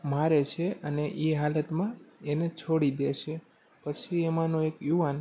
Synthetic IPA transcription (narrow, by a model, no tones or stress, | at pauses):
maɾet͡ʃʰeəneʔeɦalət̪mãenet͡ʃʰoɽid̪eʃe | pət͡ʃʰiemanõekjuʋan